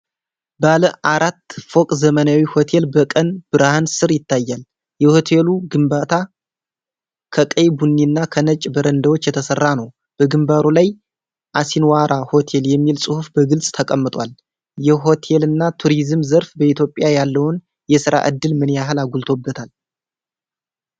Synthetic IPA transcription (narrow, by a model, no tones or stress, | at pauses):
baləʔaɾat̪ːfo̞kʼzəmənawiho̞t̪ʰe̞lbəkʼənb̥ɨɾhansɨɾjɪt̪ːajːal | jɛho̞t̪ʰe̞luɡɨmbat̪ʰa | kʰəkʼəjbunːinːakʰənət͡ʃʼbəɾənd̪əwot͡ʃːjɛt̪ʰəsərːanəw | b̥əɡɨmbaɾulaj | ʔasinwaɾaho̞t̪ʰe̞ljɛmːilsʼɨhufbəɡɨlsʼt̪ʰəkʼəmːɨt̪ʼwal | jɛɦo̞t̪ʰe̞lɨnːat̪ʰuɾizɨmzəɾfbəit̪ʰjo̞pʼːɪjajalːəwn | jɛsɨɾa̰ʔɨ̰d̪ːɨlmɨnjaɦɨlaɡult̪ʰobːət̪ʰal